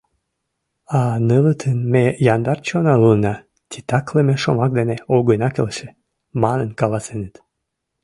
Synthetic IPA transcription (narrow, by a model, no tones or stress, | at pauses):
ɑnələt̪ʰənmejɑnd̪ɑrt͡ɕonɑlunɑ | t̪ʲit̪ɑkləmeʃomɑk̚d̪eneoɡənɑkelʃe | mɑnənkɑlɑsenet̪